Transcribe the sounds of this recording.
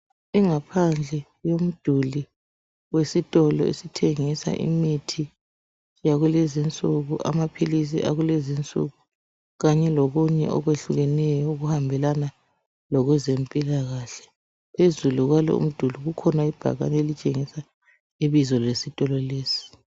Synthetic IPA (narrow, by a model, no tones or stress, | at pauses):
iŋapʰand͡ɮʱɛ | jom̩d̥ʱuli | wesitʼɔlɔḛsitʰeŋisa̰ʔḭmitʰi | jaɣulezint͡sʼuɣuʔa̰mapʰilis̬ḭʔa̰ɣulezint͡sʼṵɣu | ɣaɲɛloɣuɲɛ̰ʔɔ̰ɣweɬuɣɛnɛjɔuɣuhambʱɛlana | lɔɣwɛzempʼilaɣaɬɛ̥ | pʰezuluɣwalɔ̰ṵm̩d̥ʱuliɣukʰɔnaib̥ʱa̰ɣa̰nelit͡ʃʼeŋisa | iβizɔlesitʼɔlɔleːsi̥